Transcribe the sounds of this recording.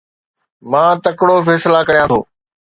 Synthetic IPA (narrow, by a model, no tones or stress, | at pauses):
mãːt̪ɐkɽofɛːslakɐɾijãt̪ʰo̰ː